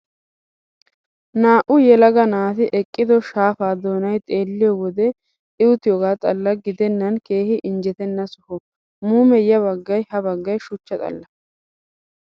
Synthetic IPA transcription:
naːʔʊjɛlɐɡɐnaːt̪ɪʔɛkʼːɪd̪ɔʃaːfaːd̪oːnɐjt̪ʼe̞ːlːɪjɔwɔd̪ɛ | ɪwʊt̪ɪjoɡaːt̪ʼɐlːɐɡɪd̪ɛnːɐnkeːhɪʔɪnd͡ʒɛt̪ɛnːɐsʊhɔ | muːmɛjɐβɐɡːɐjhɐbɐɡːɐjʃʊt͡ʃːɐt̪ʼɐ̰lːɐ

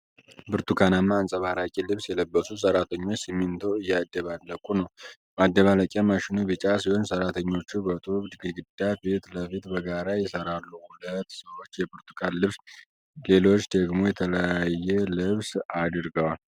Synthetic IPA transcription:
bɨɾt̪ukʰanamːaːnsʼəβaɾakʼilɨβsjɛləbːəsus̬əɾat̪ʰəɲːo̞t͡ʃːsimːɨnt̪ʰoɨjːad̪ːəβalːəkʼunəw | mad̪ːəβalakʼjamaʃɪnuβɨt͡ʃʼasihonsəɾat̪ʰəɲːo̞t͡ʃːubət̪ʼuβd̪ɨɡɨɡɨd̪ːabet̪ləfit̪bəɡaɾajɛsəɾalːuhulət̪ːsəwo̞t͡ʃːjɛbɨɾt̪ʰu̥kʰanlɨβs | le̞lo̞t͡ʃːd̪əɡmo̞jɛt̪ʰələjajɛlɨβsad̪ɾɡəwal

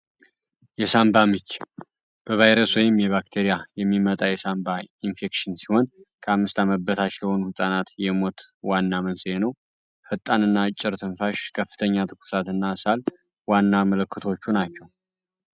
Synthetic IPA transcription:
jɛsambamɨt͡ʃː | b̥əvajɾəswjɪmːjɛβakt̪ʰeɾijajɛmːimət̪ʼajɛsambainfe̞kʃɨnsiho̞nkʰəamːɨst̪ʰaməbət̪ʰat͡ʃləho̞nuhɨt̪ʼanat̪jɛmo̞t̪wanːamənsɨjenəw | hɨt̪ʼːanɨnːat͡ʃʼːɪɾt̪ʰɨnfaʃkʰəfːɨ̥t̪ʰəɲːat̪ʰɨkʰu̥sat̪ɨnːasal | wanːamələkːɨt̪ʰo̞t͡ʃːunat͡ʃːɛw

